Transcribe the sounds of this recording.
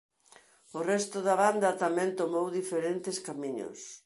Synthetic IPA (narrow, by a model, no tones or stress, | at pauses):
ʊrɛst̪ʊðɐβand̪ɐt̪amɛ̃nt̪omowðifeɾent̪ɪskamiɲʊ̰s